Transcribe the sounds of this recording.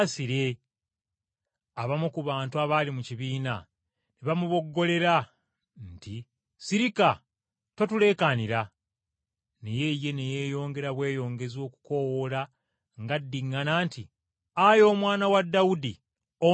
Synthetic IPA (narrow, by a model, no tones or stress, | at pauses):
siɾe | aβamukuβaːntuaβaːlimuciβiːna | neβamuβo̞ɡːo̞le̞ɾa | nti | siɾika | to̞tule̞ːkaniɾa | nejeje̞neje̞ːjo̞ːŋɡe̞ɾaβwe̞ːjo̞ːŋɡe̞zo̞ːku̥ko̞wola | ŋɡadːiŋːanaːntʰi | ajo̞ːmwaːnawadːaudi | o